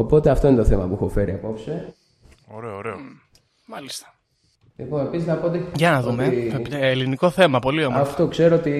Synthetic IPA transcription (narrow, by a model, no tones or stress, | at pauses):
opo̞t̪eɐft̪oinet̪oθemɐpuexofeɾiɐpo̞pse | oɾe̞oːɾe̞o | mɐlist̪ɐ̥ | lipo̞nepisiznɐpoot̪iʝɐnɐðumeeːliniko̞θe̞mɐpo̞lio̞mɐft̪okse̞ɾoot̪i